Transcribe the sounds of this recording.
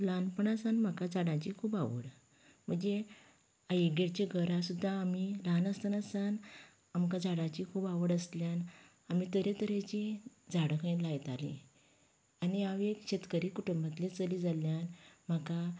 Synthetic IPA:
lanpəɳasanm̤akad͡zaɽãt͡ɕikʰuːbaʋə̰ɽ | m̤əɳd͡ze | aɡeɽt͡ɕeɡʱəɾasud̪ʱːaːmilanəst̪ənasan | amkad͡zaɽãt͡ɕikʰuːbaʋəɽəsljan | amiːt̪əɾet̪əɾet͡ɕid͡zaɽəkʰə̃lajt̪alḭ | aniaʋekɕet̪kəɾiːkuʈumbat̪lit͡səliːd͡zaljanm̤aka

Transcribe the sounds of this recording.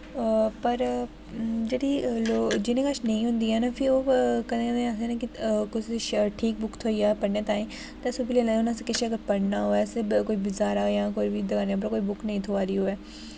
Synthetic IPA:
pəɾ | d͡ʒeːɽiːlod͡ʒɪnẽːkəʃnəĩːɦʊ̃nd̪iːɦɛːnaːpʰɪɾoːkəenẽaseːnãkɪkʊsɪʃʈʰiːk̚bʊkʰt̪ʰoːiaːpəɽneːt̪ãːĩː | t̪ɛ̃ːsuːbileːlãʊnãːsekɪʃeəɡəɾpəɽnaːɦoːɛːsekoːiːbɪzaːɾaːjãːkoiʋiːd̪əɡaːneaːp̬əɾkoːiːbʊkʰnəĩːt̪ʰoːaːɾiːɦoːɛː

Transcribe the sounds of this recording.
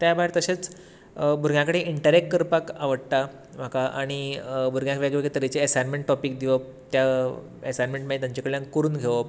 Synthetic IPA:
t̪jabaɦiɾt̪əɕet͡s | bʱuɾɡjãkəɽeʔiɳʈəɾekʈkəɾpakaʋəɽt̪a | m̤akaʔa̰ɽ̃ibʱuɾɡjãkʋaɡʋeɡet̪əɾit͡seəsanmeɳʈʈːɔpiːk̚d̪iʋəp̚t̪ja | esanmeɳʈmaɦit̪aɲt͡ɕekəɭjãŋkkːoɾuːnɡʱeʋəp

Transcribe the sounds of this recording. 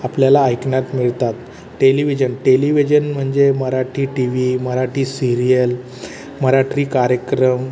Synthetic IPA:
apljalaːjkɳjat̪miɭt̪at̪ | ʈeliʋid͡ʑənʈeliʋid͡ʑənm̤əɳd͡ʑeməɾaʈʰiːʈiʋiməɾaʈʰiːsiɾijəl | məɾaʈɾiːkaɾjəkɾəm

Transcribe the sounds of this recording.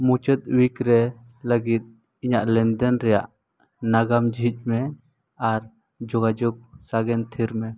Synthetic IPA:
mut͡ʃət̪̚wikɾɛ | ləɡit̪̚ | iɲaʔlɛnd̪ənɾɛja̰ʔ | naɡamd͡ʒʱit͡ʃ̚mɛ | aɾ | d͡ʒɔɡad͡ʒɔɡ̚saɡɛnt̪ʰiɾmɛ

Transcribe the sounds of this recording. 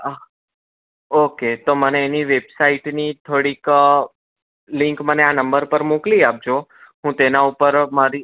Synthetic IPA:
ə | oket̪oməneːniʋebsaiʈnit̪ʰoɽik | liŋkməneanəmbəɾpəɾmukliap̚d͡ʒʱoɦũt̪enaupəɾmaɾi

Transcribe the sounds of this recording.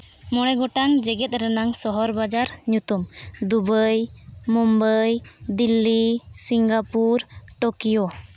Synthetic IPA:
mɔɽɛɡɔʈaŋd͡ʒɛɡɛt̪̚ˀɾɛnaŋsɔɦɔɾbad͡ʒaɾɲut̪umd̪ubəjmɔmbəjd̪ilːisiŋɡapuɾʈokijɔ

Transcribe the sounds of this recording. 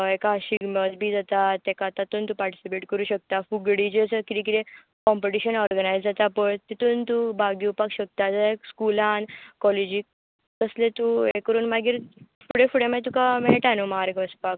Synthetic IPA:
ekaɕiɡməd͡zbʱid͡zat̪at̪ɛkat̪at̪uːnt̪upaɾʈi̥sipeʈkəɾuːɕək̚t̪afuɡɽid͡ʑet͡səkit̪ẽkit̪ẽ | kɔ̃mpeʈiɕənɔɾɡənajd͡zd͡zat̪apəɳt̪it̪uːnt̪ubaɡiupakɕək̚t̪ad͡zaekskulãnkɔled͡ʑi | t̪əslet̪uekəɾuːnmaɡiːɾfuɽefuɽemat̪ukameʈanomaɾkəspak̚

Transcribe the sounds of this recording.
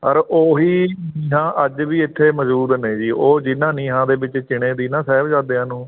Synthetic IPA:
əɾoːɦiːniːɦãːʔəd͡ʒʋiːɪt̪ʰːeːməzuːɾneːd͡ʒiːʔoːd͡ʒɪnːãːnĩːɦãːd̪eːbɪt͡ʃt͡ʃɪɽ̃ẽːd̪iːnãːsɛːbd͡ʒaːd̪eːãːnũː

